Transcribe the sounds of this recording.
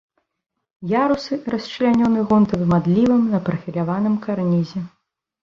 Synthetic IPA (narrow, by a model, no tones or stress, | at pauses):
jaɾusɨɾɐsʲt͡ʂɨlʲanʲɔnɨɣɔnt̪ɐvɨmad̪lʲivɨmnɐpɾɐfʲilʲavanɨmkarnʲizʲɛ